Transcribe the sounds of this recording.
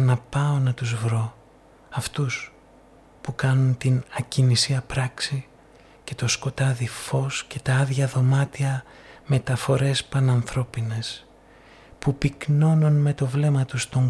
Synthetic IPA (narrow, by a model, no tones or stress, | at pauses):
nɐpɐo̞nɐt̪uzvɾo̞ | ɐft̪us | pukɐnunt̪inɐcinisiɐpɾɐksi | ce̞t̪o̞sko̞t̪ɐðifo̞sce̞t̪ɐɐðʝɐðo̞mɐt̪iɐ | me̞t̪ɐfo̞ɾe̞spɐnɐnθɾo̞pine̞s | pupikno̞nunme̞t̪o̞vle̞mɐt̪ust̪o̞ŋ